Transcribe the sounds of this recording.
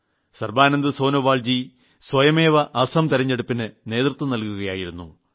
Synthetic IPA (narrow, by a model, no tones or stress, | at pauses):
sɐrbaːnɐnd̪ɨso̞ːnoʋaːld͡ʑi | swɐjɐmeːʋɐʔɐsɐmt̪ɐɾɐɲːeɽupːinɨne̞ːt̪rɨt̪ʋɐmnɐlkuɣɐjaːjiɾunːṵ